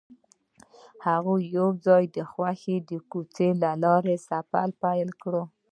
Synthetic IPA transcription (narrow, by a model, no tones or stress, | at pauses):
haɣujowd͡zɑjd̪əxwaxed̪əkut͡selalɑɾesapalpajlkɽo